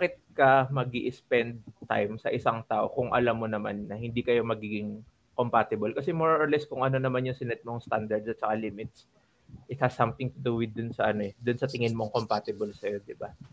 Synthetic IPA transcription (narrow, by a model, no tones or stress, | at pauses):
bakɪt̪̚kɐmɐɡiʔɪspɛnd̪̚t̪ːa̰jmsɐ̰ʔɪsaŋt̪aːʔo̞kʊŋʔɐ̰lamːonɐma̰nːɐhɪnd̪ikɐjo̞mɐɡiːɡɪŋ | kompaːt̪ɪbɐlkɐsɛmoɹʔoɹlɛskʊŋʔɐno̞nɐmanjʊŋsɪnɛt̪̚moŋst̪a̰nd̪ɐɹd̪̚sɐt̪̚t͡ʃɐkaliːmɪt̪̚s | ʔɪt̪̚hɐsːɐmt̪ɪŋt̪ʊd̪uwɪd̪ʊnsɐʔɐno̞ɛd̪ʊnsɐt̪ɪŋɪnmoŋkompaːt̪ɪbɐlsɐjo̞d̪ɪba